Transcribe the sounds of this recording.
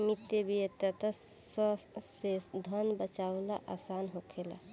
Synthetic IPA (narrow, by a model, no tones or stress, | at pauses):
mit̪ːebʱiet̪ət̪əsəsesd̪ʱənbət͡ʃawlaʔa̰ːsaːnɦokʰela̰